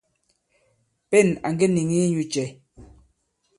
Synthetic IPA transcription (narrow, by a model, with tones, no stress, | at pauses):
pɛ˦˨na˨ŋ˦ɡe˦ni˨ŋi˦ɲu˨t͡ʃɛ˨